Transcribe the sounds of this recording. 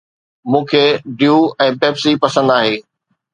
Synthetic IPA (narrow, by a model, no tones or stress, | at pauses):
mũːkʰeːɖjuːɛ̃ːpɛːpsipɐsə̃nd̪aːɦeː